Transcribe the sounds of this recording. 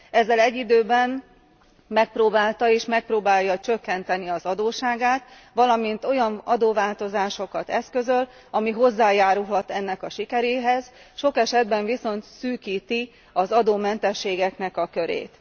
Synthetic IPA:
ɛzːɛlɛɟːid̪øːbɛn | mɛk̚proːbaːlt̪ɒeːʃmɛk̚proːbaːjɒt͡ʃøkːɛnt̪ɛniɒzɒd̪oːʃaːɡaːt̪ | ʋɒlɒmint̪o̞jɒnɒd̪oːvaːlt̪o̞zaːʃo̞kɒt̪ɛskø̞zø̞l | ɒmiɦo̞zːaːjaːɾulɦɒt̪ɛnːɛkɒʃikɛɾeːɦɛz̥ʃo̞kɛʃɛd̪bɛɱviso̞nt̪syːkiːt̪i | ɒzɒd̪oːmɛnt̪ɛʃːeːɡɛknɛkɒkø̞ɾḛːt̪

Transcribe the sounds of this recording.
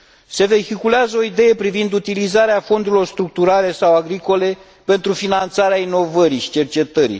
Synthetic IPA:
se̞ve̞çikuleazəo̞id̪e̞je̞pɾivind̪ut̪ilizaɾeafo̞nd̪uɾilo̞rst̪ɾuk̚t̪uɾale̞sawaɡɾiko̞le̞ | pe̞nt̪ɾufinant̪saɾeaino̞vəɾiʃi̥t͡ʃe̞rt͡ʃe̞t̪əɾḭ

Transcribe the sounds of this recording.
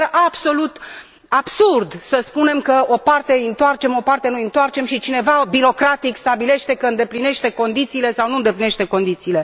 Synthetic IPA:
ʔabso̞lut̪ | ab̥surd̪səspune̞mkəo̞part̪e̞ɨnt̪oart͡ʃe̞mo̞part̪e̞nuint̪oart͡ʃe̞mʃit͡ʃine̞vabiɾo̞kɾat̪ikst̪abile̞ʃt̪e̞kəɨnd̪e̞pline̞ʃt̪e̞ko̞nd̪it̪siːle̞sawnuɨnd̪e̞pline̞ʃt̪e̞ko̞nd̪it̪siːle̞

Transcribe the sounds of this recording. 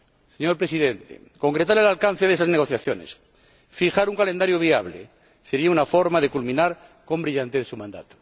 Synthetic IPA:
seɲoɾpɾesiðent̪ḛ | ko̞ŋkɾet̪aɾelalkan̟θeðesazneɣ̞o̞θjaθjo̞nḛs | fixaɾuŋkalend̪aɾjoβiaβlḛ | seɾiaunafo̞ɾmaðe̞kulmĩnaɾ | ko̞mbɾiʎant̪eðesumãnd̪a̰t̪o̥

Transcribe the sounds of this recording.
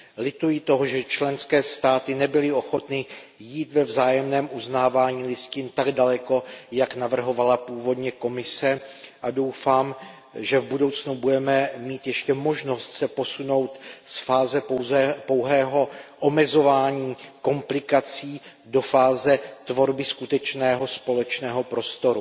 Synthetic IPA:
lɪt̪ujɪt̪o̞ɦoʒɛt͡ʃlɛnskɛːst̪aːt̪ɪnɛbɪlɪo̞xo̞t̪nɪ | jiːt̪vɛvzaːjɛmnɛːmʔuznaːvaːɲiːlɪscɪnt̪aɡdalɛko̞jaknavr̩ɦo̞valapuːvo̞dɲɛko̞mɪsɛʔado̞wfaːm | ʒɛvbudo̞wt͡snubudɛmɛmiːt̪jɛʃcɛmo̞ʒno̞st̪sɛpo̞suno̞wt̪sfaːzɛowzɛpo̞wɦɛːɦo̞ʔomɛzo̞vaːɲiːko̞mplɪkat͡siː | do̞faːzɛt̪vo̞ɾbɪskut̪ɛt͡ʃnɛːɦo̞spo̞lɛt͡ʃnɛːɦo̞pɾo̞st̪o̞ɾu

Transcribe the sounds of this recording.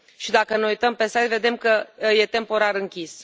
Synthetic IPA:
ʃid̪akəneujt̪əmpe̞sajt̪ve̞d̪e̞mkəje̞t̪e̞mpo̞ɾaɾɨŋkʲis

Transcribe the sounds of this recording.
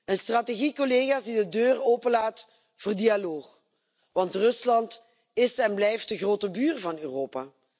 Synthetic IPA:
ənstraːteɣikoleɣaːzdidədøːroːpənlaːt | v̥ʊːrdialoːx | ʋɑntrɵslɑnt | ɪsɛnblɛjft̚dəɣroːtəbyːrvɑnyːroːpaː

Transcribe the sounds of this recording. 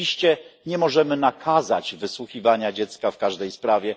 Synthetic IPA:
iɕt͡ɕɛɲɛmɔʐɛmɘnakʰaza̰d͡ʑvɘswuxʲivaɲad͡ʑɛt̪skafkaʐd̪ɛjspɾavʲjɛ

